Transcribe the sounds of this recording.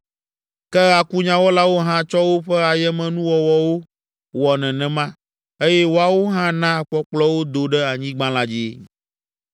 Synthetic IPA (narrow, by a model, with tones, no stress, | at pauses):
kɛ˦a˨ku˦ɲã˨wɔ˦la˦wo˦ɦã˦t͡ʃɔ˦wo˦ɸɛ˦a˨jɛ˦mɛ̃˨nũ˦wɔ˨wɔ˨wo˦ | wɔ˨nɛ̃˨nɛ̃˨mã˦ | e˦jɛ˦wo˦a˨wo˦ɦã˦nã˦˨k͡pɔ˦k͡plɔ˦wo˦d̪o˨ɖɛ˦a˨ɲĩ˦ɡ͡bã˦la˦d͡ʑi˦ḛ˦